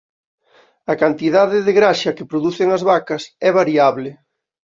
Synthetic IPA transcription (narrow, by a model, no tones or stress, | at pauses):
ɐkant̪iðaðɪðɪɣɾaʃɐkepɾoðuθeŋɐzβakɐsɛβaɾiaβlɪ